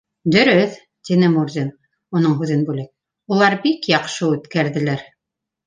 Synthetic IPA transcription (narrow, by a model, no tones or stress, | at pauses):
d̪ɵ̆ɾɵθ | t̪inɘmurzʲin | unɤɴɦʉðɘnbʉlɘk̚ | ulˠɑɾbikjɑqʃɤʉt̪kæɾðɘ̆læɾ